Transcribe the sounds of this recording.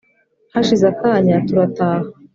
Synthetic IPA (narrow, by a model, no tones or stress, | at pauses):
haʃizakaːɲatuɾataːha